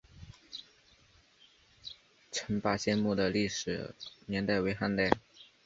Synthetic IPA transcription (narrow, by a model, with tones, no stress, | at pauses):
ʈ͡ʂʰə˧˥npa˥˩ɕjɛ˥˧nmu˥˩d̪ə˩li˥˩ʂɻ̩˨˩njɛ˧˥nt̪a˥˩ɪwe˧˥ɪxa˥˧nt̪a˥˩ɪ